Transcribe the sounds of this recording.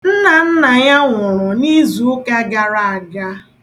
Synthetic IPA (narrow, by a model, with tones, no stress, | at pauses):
n̩˦na˨n̩˦na˨ɲa˦ŋʷʊ˨ɾʊ˨ni˦zu˨ʊ˦ka˦ɡa˨ɾa˨a˨ɡa˦